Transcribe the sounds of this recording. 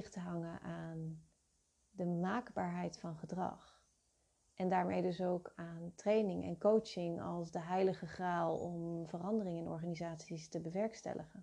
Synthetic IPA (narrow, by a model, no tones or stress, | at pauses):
χtəɦɑŋəʔaːn | dəmaːkbaːɹɦɛjtfɑnχədrɑ̰χ | ʔɛndaːɹmejdɵsowkaːntrejnɪŋɛ̰nkowt͡ʃɪŋɑ̰lˠsdəɦɛjləχəχraːlˠɔmvərɑndərɪŋɛnɔ̰ɹχaːnizaːtsistəbəʋɛɹkstɛ̰lʔəχən